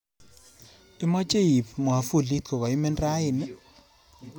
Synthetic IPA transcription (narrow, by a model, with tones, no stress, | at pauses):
ɪ˦mɔ˦t͡ʃe˦i˨pmwa˨fu˦˨li˦tkɔ˨ka˨ɪ˦mɛ˦ndra˦ɪ˨nɛ˦